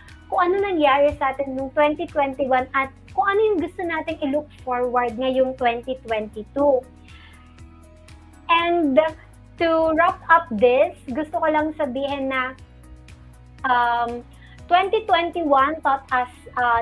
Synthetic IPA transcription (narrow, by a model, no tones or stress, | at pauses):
kʊŋʔɐnonɐŋjaːɾɛsɐʔaːt̪ɪnːʊŋt̪wɛnt̪it̪wɛnt̪iwanʔɐt̪̚kʊŋɐnojʊŋɡʊst̪onaːt̪ɪŋɪluk̚foɹwɐɹd̪̚ŋɐjʊŋt̪wɛnt̪it̪wɛnt̪it̪u | ʔɛnd̪ | t̪ʊɹapɐp̚d̪ɪsɡʊst̪okolɐŋsɐbiːɦɛnːɐ | ʔɐm | t̪wɛnt̪it̪wɛnt̪iwɐnt̪ɔt̪̚ʔɐsʔɐ